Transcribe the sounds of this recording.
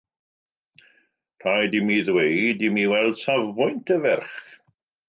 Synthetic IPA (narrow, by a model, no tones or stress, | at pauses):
tʰajdimiðwejdimiwɛlˠd̥savbʊjntʰəvɛrχ